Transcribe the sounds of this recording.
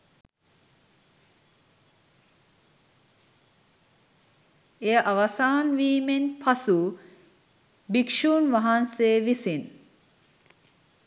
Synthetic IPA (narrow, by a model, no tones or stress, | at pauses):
ejəʔaʋɐsaːnʋiːmenpʰɐsu | bikʂuːnʋɐɦanseːʋisin